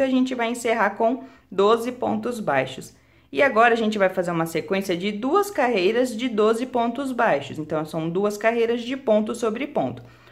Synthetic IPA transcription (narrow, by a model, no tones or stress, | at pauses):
aʒẽnt͡ʃɪvajẽseɦakõ | d̪ozɪpõ̰nt̪ʊzbajʃʊs | ɪaɡɔɾɐaːʒẽnt͡ʃɪvajfazeɾũmɐsekwẽsiɐd͡ʒɪd̪uɐskaɦejɾɐzd͡ʒɪd̪ozɪpõnt̪ʊzbajʃʊsẽnt̪ɐ̃w̃sɐ̃w̃d̪uɐskaɦejɾɐzd͡ʒɪpõnt̪ʊsobɾɪpõ̰nt̪ʊ̥